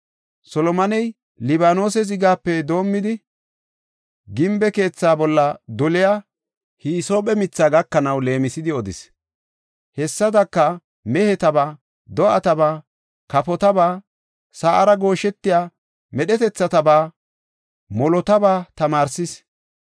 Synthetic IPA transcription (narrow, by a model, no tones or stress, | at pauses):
sɔlɔmɐnɛj | lɪβaːno̞ːsɛs̬ɪɡaːpːɛd̪o̞ːmːɪd̪ɪ | ɡɪmbɛke̞ːt͡sːaːbɔlːɐd̪ɔlɪjaː | hiːso̞ːpɛmɪt͡sːaːɡɐkːɐnɐwle̞ːmɪsɪd̪ɪɔd̪ɪ̰s | hɛsːɐd̪ɐkːɐ | mɛhɛt̪ɐbaː | d̪ɔɐt̪ɐbaː | kɐpɔt̪ɐbaː | saːʔɐɾɐɡo̞ːʃɛt̪ːɪjaː | mɛɗɛt̪ɛt͡sːɐt̪ɐbaː | mɔlɔt̪ɐbaːt̪ɐmaːɾsɪs